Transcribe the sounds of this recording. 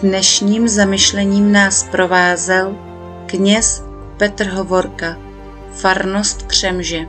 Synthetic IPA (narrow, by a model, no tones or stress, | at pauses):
nɛʃɲiːmzamɪʃlɛɲiːmnaːspɾo̞vaːzɛl | kɲɛs | pɛt̪r̩ɦovo̞ɾka | faɾnost̪kr̝̥ɛmʒɛ